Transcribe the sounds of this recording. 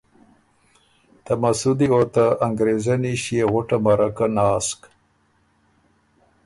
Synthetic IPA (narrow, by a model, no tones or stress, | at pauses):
t̪amasud̪iot̪aːŋɡɾezaniʃieɣʊʈamaɾakanɑːsk